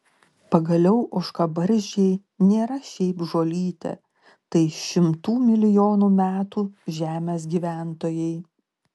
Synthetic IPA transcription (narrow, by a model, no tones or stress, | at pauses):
pɐɡɐlʲɛʊʔʊʃkɐbɐɾʲʒʲɛɪ | nʲeːɾɐʃʲɛɪpʒoːlʲiːt̪ʲɛ̰ | t̪ɐɪʃʲɪmt̪uːmʲɪlʲɪjoːnuːmʲæːt̪uːʒʲæːmʲeːsɡʲiːʋʲæˑnt̪oːjɛɪ